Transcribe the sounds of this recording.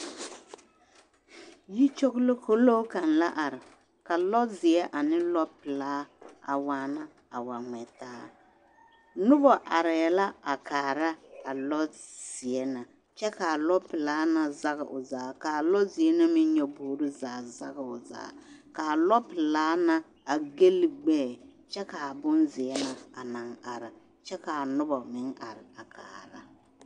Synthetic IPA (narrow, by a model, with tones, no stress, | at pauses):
ji˦t͡ʃo˦ɣlo˦kʰo˦lo˦ka˨nla̰˦ʔa˨ɾɪ˨ | ka˨lɔ˦zɪ˨ɛ˦ʔa˨nɪ˦lɔ˦pɪ˨laː˦a̰˨waː˦na˦ | a̰˨wa˨ŋɛ˨taː˦ | nʊ˦bɔ˨ʔa˨ɾɪ˨ɛ˨la˦a˨kaː˨ɾa˦ka˨lɔ˦z̥ɪ˨ɛ˦na˨ | t͡ʃɛ˦ka˨lɔ˦pɪ˨laː˦na˦˨za˦ɣɪ̰˨ʔʊ̰˨zaː˨˦ka˨lɔ˦zɪ˨ɛ˦na˦mɪ˦ɲɔ˦boː˨˦ɾʊ˦zaː˨˦za˦ɣɪ˨ʊ˨za̰ː˨˦ka˨lɔ˦pɪ˨laː˦na˦ | a˨ɡe˦lɪ˦ɡ͡bɛː˦˨t͡ʃɛ˦ka˨bʊ˦nzɪ˨ɛ˦na˨a˨na˨ŋa˨ɾɪ˨ | t͡ʃɛ˦ka˨nʊ˦bɔ˨mɪ˦ŋa̰˨ɾɪ˨a˨kʰa̰ː˨ɾa̰˦